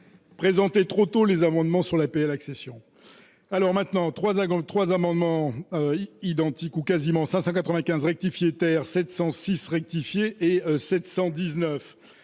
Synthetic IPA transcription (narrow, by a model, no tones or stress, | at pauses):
pχezɑ̃t̪et̪χot̪olezamɑ̃d̪mɑ̃syʁlapeɛlaksesjɔ̃ | alɔʁmɛ̃t̪nɑ̃t̪χwazt̪χwazamɑ̃d̪mɑ̃øid̪ɑ̃t̪ikukazimɑ̃sɛ̃sɑ̃kat̪χəvɛ̃kʲɛ̃zʁɛk̚t̪ifjet̪ɛʁsɛt̪sɑ̃sisʁɛk̚t̪ifjeʔesɛt̪sɑ̃d̪iznœf